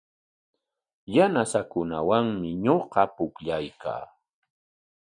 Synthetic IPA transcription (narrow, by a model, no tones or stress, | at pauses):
janasakʊna̰waŋmɪɲoɢɑpʊkʎajkʰa̰ː